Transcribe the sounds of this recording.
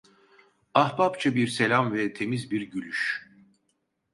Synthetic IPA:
ahbapt͡ʃʰabiɾse̞lʲamvɛt̪ʰe̞mizbiɾɟylʲyʃ

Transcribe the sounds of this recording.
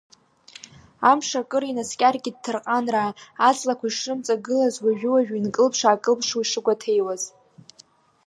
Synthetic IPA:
amʂakʼɨɾinaskʲʼarɡʲɪd̚tʰːɨrqʼanraːt͡sʼlakʷaiʂɨmt͡sʼaɡɨlazwaʒᶣʊwaʒᶣinkʼɨlpʰʂaːkʼɨlpʰʂwiʂɨɡʷatʰe̞jwaz

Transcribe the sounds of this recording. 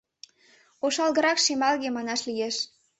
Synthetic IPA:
oʃɑlɣə̆ɾɑkʃemɑlɣemɑnɑʃlijeʃ

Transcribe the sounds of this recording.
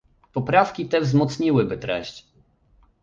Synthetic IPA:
pɔpɾafkʲit̪ɛvzmɔt̪sɲiwɘbɘt̪ɾɛ̰ɕt͡ɕ

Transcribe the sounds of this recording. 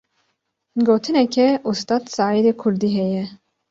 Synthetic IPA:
ɡoːt̪ʰɨnɛkʲʰɛʔust̪ɑːd̪sɑːid̪eːkʰʊɾd̪iːɦɛjɛ

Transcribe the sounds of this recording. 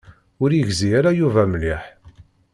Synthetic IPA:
ʊɾjəʝziæɾajuvæmliħ

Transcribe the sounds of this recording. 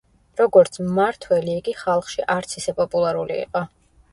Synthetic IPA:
ɾɔɡɔɾt̪sʰmaɾt̪ʰwɛliːɡiχalˠχʃiʔaɾt̪sʰisɛpʼɔpʼulˠaɾulḭḭqʼɔ

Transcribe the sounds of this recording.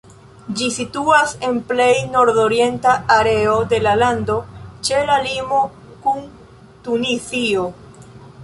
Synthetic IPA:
d͡ʒisituase̞nple̞jno̞ɾdo̞ɾie̞ntaaɾe̞ode̞lalando̞t͡ʃe̞lalimo̞ | kun | tunisio̞

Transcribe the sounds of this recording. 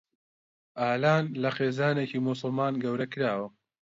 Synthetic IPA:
ʔaːlaːnlɐxeːzaːneciːmus̬ʊlˠmaːnɡɐwɾɐkɨɾaːwɐ

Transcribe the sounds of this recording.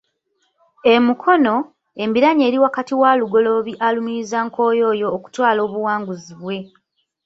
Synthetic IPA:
e̞mukʰo̞no̞ | e̞mbiɾaɲe̞ːɾiwakatiwaːluɡo̞lo̞βiʔalumiizaŋko̞ːjo̞ːjo̞ːku̥twaːlo̞ːβuwaːŋɡuziβwe̞

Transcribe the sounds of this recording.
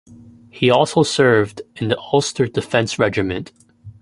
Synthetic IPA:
hiɔlˠsoʊsɜ˞vdɨ̃nðiʔɔlˠstə˞dɨfɛ̃nsɹɛd͡ʒɨmɨ̃nt

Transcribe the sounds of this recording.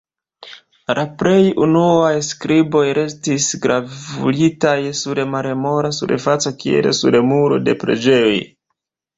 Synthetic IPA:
lʔapɾe̞junuajskɾibo̞jɾe̞stisɡɾavulitajsuɾemaɾemo̞ɾasuɾefat͡sakiḛlesuɾemuɾo̞de̞̰pɾe̞̰d͡ʒe̞joj

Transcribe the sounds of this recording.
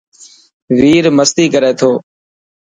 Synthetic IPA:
ʋiːɾməst̪iːkəɾeːt̪ʰoː

